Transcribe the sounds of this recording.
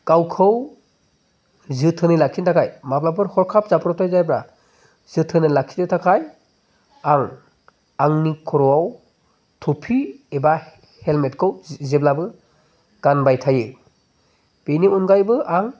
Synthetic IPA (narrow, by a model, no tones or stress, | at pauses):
kawkʰɯw | zɯtʰɯnɯlak̚ʰintʰakʰajmaplapʰɯɾhɔɾkʰap̚zapɾɔtʰajzajpɾa | z̥ɯtʰɯnɯlakʰi̥tetʰakʰaj | aŋ | aŋnikʰɔɾɔwaw | tʰopʰieba | helmetkʰɯwzeblabɯ | ɡ̥anbajtʰajɯ | peniunɡajbɯʔaŋ